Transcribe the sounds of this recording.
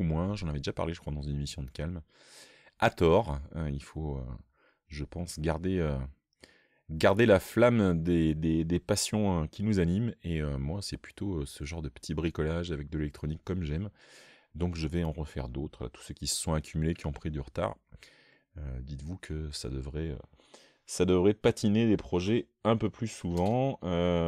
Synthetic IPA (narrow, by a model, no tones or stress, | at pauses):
umwɛ̃ʒɑ̃navɛd̪eʒapa̰ʁleʒəkχwad̪ɑ̃zynemisjɔ̃d̪əkalm | at̪ɔʁøilfoø̰ | ʒəpɑ̃sɡaʁd̪eø | ɡaʁd̪elaflamd̪ed̪ed̪epasjɔ̃økʲinuzanimeømwasɛply̥t̪ʰoøsəʒɑ̃ʁd̪əpə̥t̪ʰibʁikɔlaʒavɛk̚d̪əlelɛk̚t̪χɔnikːɔmʒɛm | d̪ɔ̃kʒəvɛɑ̃ʁəfɛ̰ʁd̪ot̪χla̰t̪u̥søkʲisə̥sɔ̃akʲʰymylekʲiɔ̃pχid̪yʁət̪a̰ːʁ | ød̪it̪vukʰəsa̰d̪əvʁɛø̰ | sad̪əvʁɛpat̪ʰined̪epχɔʒɛ | ɛ̃pøplysuvɑ̃ø